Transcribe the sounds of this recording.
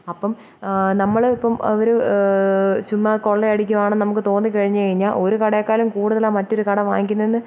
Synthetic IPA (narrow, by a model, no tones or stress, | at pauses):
ɐpːɐm | nɐmːɐɭipːɐmɐ̰ʋɐɾu | ɕumːɐkoɭːeɐɽikʲːumaːɳɐnɐmuk̬ːɨt̪o̞ːnːɨkɐɻiɲːukɐɻiɲːaːlʔo̞ɾukɐɽekːaːlumkuːɽuðɐlaːmɐtːo̞ɾukɐɽɐʋa̰ːŋikʲːunːɐenːɨ